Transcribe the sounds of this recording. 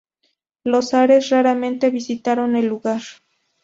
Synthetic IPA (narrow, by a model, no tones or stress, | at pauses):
losaɾe̞sraɾamẽ̞nt̪e̞βisit̪aɾone̞lːuɣaɾ